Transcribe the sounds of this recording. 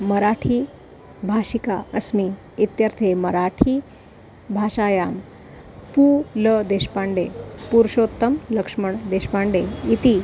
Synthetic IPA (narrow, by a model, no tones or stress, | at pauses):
məɾaʈʰiː | bʱaɕikaəsmi | it̪jəɾt̪ʰeməɾaʈʰiː | bʱaʂaːjaːm | puːləd̪eɕpaɳɖepuɾʂot̪ːəmləkʂməɳd̪eɕpaɳɖeit̪i